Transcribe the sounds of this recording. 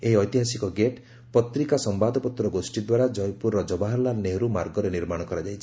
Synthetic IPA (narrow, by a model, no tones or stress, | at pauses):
eiɔjt̪iɦasikɔɡeʈ | pɔt̪ɾikasɔmbad̪ʱɔpɔt̪ɾɔɡosʈid̪waɾad͡ʒɔjpuɾɔd͡ʒɔbaɦɔlaneɦɾumaɾɡɔɾeniɾmaɽ̃ɔkɔɾad͡ʒajt͡ʃʰi̥